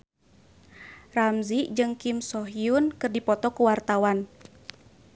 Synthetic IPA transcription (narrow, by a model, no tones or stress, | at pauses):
ramziʔd͡ʒɨŋkimsɔɦiunkɨrdipɔt̪ɔkuwart̪awan